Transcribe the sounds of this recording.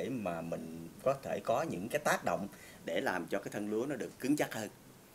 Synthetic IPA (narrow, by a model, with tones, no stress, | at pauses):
maː˨˩mï˨˩ŋ̟kɔ˨˦t̪ʰe˧˩kɔ˨˦ɲɨ̰˧˥ŋkaː˨˦jt̪aː˦˥k̚ɗə̰˧˨wŋ͡m | ɗe˧˩laː˨˩mt͡ɕɔ˧kaː˨˦jt̪ʰə˧nlu˨˦ənɔ˨˦ɗɨ˨˩əkːɨ˨˦ŋt͡ɕa˦˥t̚həː˧n